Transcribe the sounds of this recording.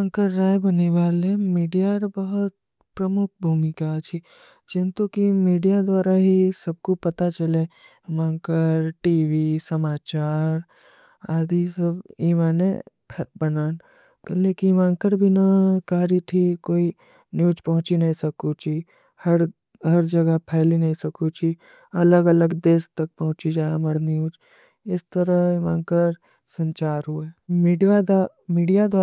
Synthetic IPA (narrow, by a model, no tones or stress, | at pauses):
ãŋkəɾːaːjbɐneʋaːlemiːɖijaɾbɐɦʊt̪̚ | pɾɐmʊk̚ʰbʱuːmɪkat͡ʃʰi | d͡ʒɪ̃nt̪ukimiːɖijad̪wʋaːɾaɦisɐb̚kopɐt̪at͡ʃɐle | ʋãːŋkəɾʈiːʋisɐmaːt͡ʃaːɾ | aːd̪isɐbiːmaːne | pʰbɐnaːn | kɐlleːkimãːŋkəɾbʱinɐkaːɾit̪ʰikoːi | njuːd͡ʒpɐɦʊ̃t͡ʃinɐɦĩsɐkut͡ʃi | hɐɾ | ɦɐɾd͡ʒɐɡəpʰɛːlinɐɦĩsɐkut͡ʃʰi | ɐləɡɐləɡd̪eːst̪ɐk̚pɐɦʊ̃t͡ʃid͡ʒaːemɐɽnjuːd͡ʒ | ɪst̪əɾəimaːŋkəɾ | sɐ̃ɲt͡ʃaːɾɦuemiɖia | miːɖijad̪wa